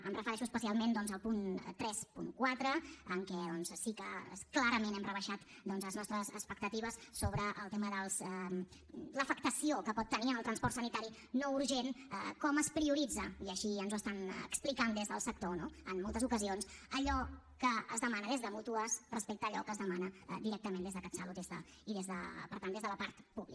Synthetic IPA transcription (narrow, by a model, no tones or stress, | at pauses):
ənrəfəɾɛʃuəspəsialˠmend̪ɔnzəlˠpunt̪ɾɛspṵŋkwat̪ɾəəŋkɛðɔnssikəklaɾəmenɛmrəβəʃat̪ | d̪ɔnzləznɔst̪ɾəzəspəkt̪ət̪iβəssoβɾəʔəlˠt̪eməðəlˠzə | ləfək̚t̪əsiokəpɔt̪ːəniənəlˠt̪ɾənspɔrt̪sənit̪aɾi | nouɾʒenəkɔməspɾiuɾid͡zəiəʃiənzuəst̪anə̰ksplikand̪ezðəlˠsək̚t̪onoənmːolˠt̪əzukəzionsəʎɔ | kəːzðəmanəðezðəmut̪uəsrəspek̚t̪əːʎɔkəzðəmanə̰d̪iɾɛk̚t̪əmend̪ezðəkɛt̪səlut̪d̪ezðə̰ | iðezðə̰pəɾt̪and̪ezðələpaɾt̪puβli